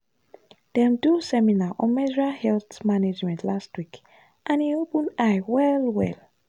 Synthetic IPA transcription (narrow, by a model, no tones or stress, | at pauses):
d̥ɛ̃mdusɛminaʔɔ̃nmɛd͡ʒɹahɛlθmaned͡ʒmɛ̃ntlastwik | ʔãniopə̃najwɛlwɛ̰l